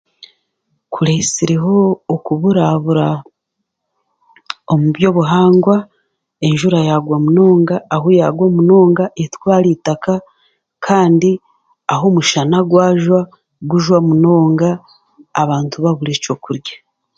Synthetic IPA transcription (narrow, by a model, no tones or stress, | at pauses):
kuɾesiɾeɦo̞ːkuβuɾaβuɾa | omubjo̞βuɦaːŋɡwa | e̞nʒuɾajaɡwamuno̞ːŋɡaːɦoja̰ɡwomuno̞ːŋɡaʔetwaːɾiːtaka | kʰaːndi | aɦo̞muʃanaɡwaːʒwa | ɡuʒwamuno̞ːŋɡaː | βaːntuβaβuɾet͡ʃo̞kuɾɟḁ